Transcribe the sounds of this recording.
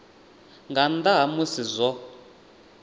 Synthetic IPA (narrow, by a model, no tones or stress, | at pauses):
ŋɡand̪aɦamusizʷɔ